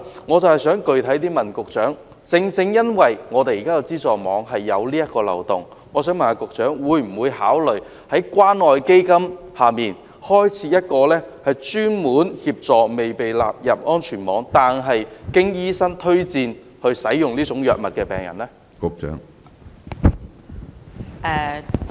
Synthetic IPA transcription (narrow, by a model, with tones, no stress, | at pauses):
ŋɔː˨˧t͡sɐ˨whɐ˨jsœː˨˥ŋkɵ˨ɥt̪ʰɐ˨˥jt̪̬iː˥mɐ˨˩nkʊ˨k̚t͡ʃœː˨˥ŋ | t͡sɪ˧ŋt͡sɪ˧ŋjɐ˥nwɐ˨jŋɔː˨˧t̪e˨ji˨kaː˥jwt͡siː˥t͡sɔː˨mɔ̰ː˨˧ŋɦɐ˨jːɐ̰˨˧wliː˥jɐ˥t̚kɔː˧lɐ̰˨˩wt̪ʊ˨˩ŋ | ŋɔː˨˧sœː˨˥mɐ˨˩naː˧kʊ˨k̚t͡ʃœː˨˥ŋwuː˨˧jm̩˨˩wuː˨˧jhaː˨˥wlɵ˨ɥ | hɐ˨˥jkwaː˥nɔː˨jke˥jkɐ˥mhaː˨miː˨n | hɔː˥jt͡sʰiː˨˧˥jɐ˥t̚kɔː˧lɛː˥hɐ˨jt͡ʃyː˥nmuː˨˥nhiː˧p̚t͡sɔː˨me˨jpe˨jla̰ː˨p̚jɐ˨p̚ʔɔː˥nt͡ʃʰyː˨˩nmɔː˨˥ŋt̪aː˨nɦɐ˨jkɪ˥ŋjiː˥sɐ˥ŋt̪ʰɵ˥ɥt͡siː˧n | hɵ˧ɥsɐ˨˥jjʊ˨ŋliː˥t͡sʊ˨˥ŋjœː˨k̚mɐ˨t̚kɛː˧pɛ̰ː˨˩ŋjɐ̰˨˩nlɛ˥ | kʊ˨k̚t͡ʃœ̰ː˨˥ŋ | ʔɛː˨˧